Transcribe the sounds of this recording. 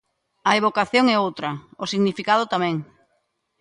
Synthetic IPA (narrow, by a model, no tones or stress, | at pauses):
ɐeβ̞okaθjoŋɛowt̪ɾɐʊsiɣnifikaðʊt̪amɛ̃ŋ